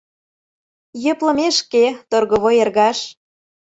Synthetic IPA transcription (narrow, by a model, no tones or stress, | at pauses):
jø̆plɤ̆meʃket̪orɣɤ̆βojerɣɑʃ